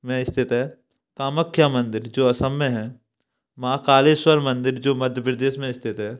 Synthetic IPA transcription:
mɛ̃ɪst̪ʰɪt̪ɦɛː | kaːməkʰːjamɐ̃nd̪ɪɾd͡ʒoːɐsəmːẽɦɛ̃ː | mãːkaːleːswəɾmɐ̃nd̪ɪɾd͡ʒoːmɐd̪ʱjəpɾd̪eːsmẽɪst̪ʰɪt̪ɦɛ̃ː

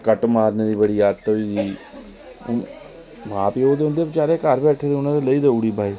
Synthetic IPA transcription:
kəʈmaːɾneːd̪iːbəɽiːjaːd̪t̪oiːd͡ʒḭː | mãːpiːoːd̪eʊ̃nd̪eːbɪt͡ʃaːɾeːkəɾbɛːʈʰeːd̪eʊnãd̪eləiːd̪əuːɽiːbʱaːiː

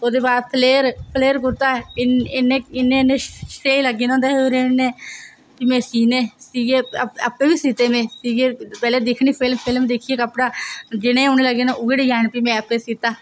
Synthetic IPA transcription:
oːd̪eːbaːdpʰleːɾpʰleːɾk̬ʊɾt̪aːɪɪneːɪnːeːneːʃteːiləɡeːnõːnd̪aːɦoɾeːnːeː | piːmɛ̃ːsiːnẽːsiːɡeːəəpːeːʋiːsiːt̪eːmẽːsiːɡeːpɛːleːd̪ekʰɳ̃iːpʰɪlmpʰɪlmd̪eːkʰieːkəpɽaːd͡ʒɪnẽːoːnẽːləɡeːnãʔʊɡeɽiːd͡ʒaːnpiːmɛ̃ːəpːeːsiːt̪aː

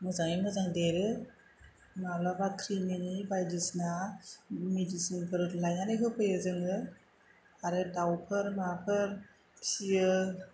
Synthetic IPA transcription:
mɯzaŋimɯzaŋdeɾɯ | mawlabakʰɾimenibajdisna | medisinpʰɯɾlajnanɯkʰɯpʰɯjɯzɯŋɯ | aɾɯdawpʰɯɾmapʰɯɾ | ksiɯ

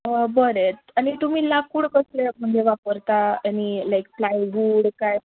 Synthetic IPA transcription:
əbəɾet̪ | añit̪um̤iːlakːuɽkəslem̤əɳd͡zeʋapəɾt̪aaɽ̃ilajk̚plajbuɽkaj

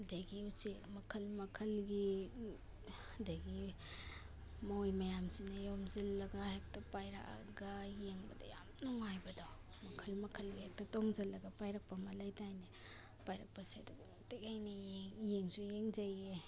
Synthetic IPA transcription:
daɡiusimɐkʰɐlmɐkʰɐlɡi | daɡi | maojmɐjamsinajomzɐlːɐɡahek̚tapajɾa̰a̰ɡajeŋbɐdɐ̰jamnɔŋajbɐdaw | mɐkʰɐlmɐkʰɐlɡihek̚tatɔŋzɐlːɐɡapajɾɐk̚pamɐlajtajne | pajɾɐk̚pɐsiaduɡomatekajnejeŋjeŋsujeŋzaje

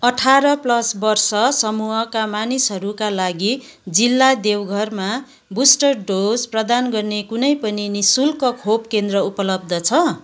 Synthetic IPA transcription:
ʌʈʰaɾʌplʌsbʌrsʌsʌmuɦʌkamanisɦʌɾukalaɡi | d͡zilːad̪ewɡʱʌrma | busʈʌrɖod͡zprʌd̪anɡʌrnekunʌjpʌninisulkʌkʰop̚kend̪rʌupʌlʌb̚d̪ʌt͡sʰʌ

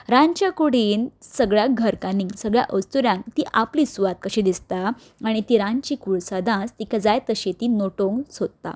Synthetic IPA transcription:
ɾãɲt͡ɕjakuɽ̤iːnsəɡɭjaɡʱəɾkaniŋɡsəɡɭja̰ʔəst̪uɾjãŋkt̪iʔapliːsuʋat̪̚kəɕẽd̪ist̪a | aɽ̃it̪iːɾãɲt͡ɕiːkuɭsad̪ʱãt͡st̪ikad͡zajt̪əɕet̪inoʈoŋɡsod̪̚t̪a̰

